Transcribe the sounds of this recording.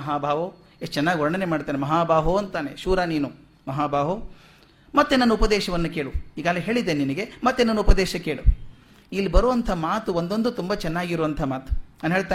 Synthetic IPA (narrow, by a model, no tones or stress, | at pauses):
ɐɦaːbʱaːʋo | et͡ʃɛnːaːɡiɦɔɽɳɐnemaːɖit̪aːnemɐɦaːbʱaːɦuɐnt̪aːneʃuːɾaniːnu | mɐɦaːbʱaːɦo | mɐt̪ːenɐnːuupɐd̪ɛːʃɐʋɐnːukeːɭuiːɡaːɡliɦe̞ːɭid̪eninɐɡe̞mɐt̪ːenɐnːuupɐd̪ɛːʃɐke̞ːɭṵ | ilːibɐɾuʋɐnt̪ʰɐmaːt̪uond̪o̞nd̪ut̪umbɐt͡ʃɛnːaːɡiɾuʋɐnt̪ʰɐmaːt̪u̥nɐnɦeːɭt̪aː